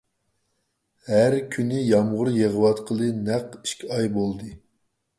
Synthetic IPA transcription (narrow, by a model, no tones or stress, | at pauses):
hæɾkʲʰynɪjɑmʁʊɾjeʁəwɑt̪qʰəlˠɨnæqi̥ʃkʲʰiɑjbolˠd̪ɨ